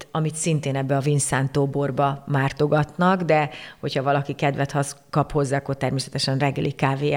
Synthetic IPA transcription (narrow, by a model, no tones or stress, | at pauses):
ɒmit̪sint̪eːnɛbːɛɒvinsaːnt̪oːborbɒmaːrt̪o̞ɡɒt̪nɒɡd̪ɛho̞chɒvɒlɒkikɛd̪vɛt̪hɒskɒpho̞zːaːkot̪ɛrmeːsɛt̪ɛʃɛnrɛɡːɛlikaːveː